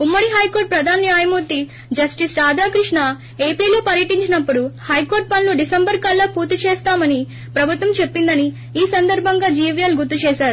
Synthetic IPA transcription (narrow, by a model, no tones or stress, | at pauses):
umːɐɽiɦɐjkoːɾʈ̚pɾɐd̪ʱaːnjaːjɐmuːɾt̪i | d͡ʒɐsʈisɾaːd̪ʱaːkɾiʂɳɐ | e̞ːpiːlo̞ːpɐɾjɐʈiɲt͡ʃinɐpːuɽuhɐjko̞ːɾʈ̚pɐnluɖisɐmbɐɾkɐlːɐpuːɾt̪it͡ʃɛːst̪aːmɐni | pɾɐbʱut̪ʋɐmt͡ʃepːind̪ɐni | iːsɐnd̪ʱɐɾbʱɐŋɡaːd͡ʒiːʋjɐlɡut̪ːut͡ʃɛːʃaːɾu